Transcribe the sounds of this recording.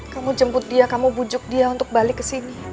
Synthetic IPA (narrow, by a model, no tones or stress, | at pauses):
kamud͡ʒəmpʊt̪̚diakamubud͡ʒʊk̚diaunt̪ʊk̚balɪkːəsini